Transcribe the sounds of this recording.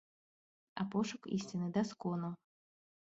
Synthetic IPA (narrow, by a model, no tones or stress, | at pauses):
a̰pɔʂʊkḭsʲtʲinɨd̪ɐskɔnu